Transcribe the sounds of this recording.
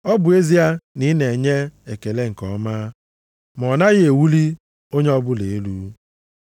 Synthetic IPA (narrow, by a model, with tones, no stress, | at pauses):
ɔ˦bʊ˨e˦zi˦a˦ni˦ne˨ɲe˦e˨ke˨le˦ŋ̩˨kɔ˨˦maː˦ | m˨ɔ˨na˦ɣe˨wu˦li˦ | o˦ɲe˦ɔ˦bʊ˦le˨˦lu˦